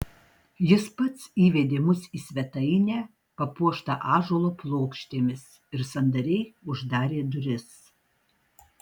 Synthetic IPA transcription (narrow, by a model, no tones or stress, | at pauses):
jɪspɐt̪siːʋʲɛd̪ʲeːmʊsiːsʲʋʲɛt̪ɐɪnʲæː | pɐpuɔʃt̪ɐʔɑːʒoːlˠoːplˠoːkʃʲt̪ʲeːmʲɪs | ɪɾsɐnd̪ɐɾʲɛɪʊʒd̪ɑːɾʲeːd̪ʊɾʲɪs